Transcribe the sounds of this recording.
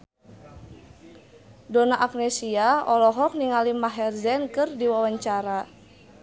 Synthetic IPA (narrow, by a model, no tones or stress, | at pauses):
dɔnaʔak̚nɛsiaɔlɔɦɔk̚niŋalimaɦɛrzɛnkɨrdiwawaɲt͡ʃaɾa